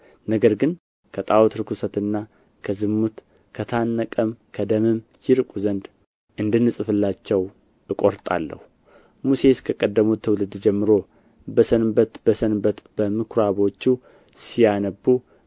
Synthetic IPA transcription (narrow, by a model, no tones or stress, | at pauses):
nəɡəɾɡɨn | kʰət̪ʼawt̪ɾɨkʰusət̪ɨnːa | kʰəzɨmːut̪ | kʰət̪ʰanːəkʼəmkʰəd̪əmɨmjɪɾkʼuzənd̪ | ʔɨnd̪ɨnːɨsʼɨfɨlːat͡ʃːɛw | ɨkʼo̞ɾt̪ʼa̰lːə̰hu | muse̞skʰəkʼəd̪ːəmut̪ʰːəwlɨd̪d͡ʒɛmːɨɾo̞ | bəsənbət̪bəsənbət̪bəmɨkʰɾaβo̞t͡ʃːu | sijanəbːu